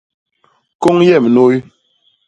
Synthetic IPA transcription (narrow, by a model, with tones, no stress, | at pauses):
ko˦ŋjɛ˦˨m˨no˦j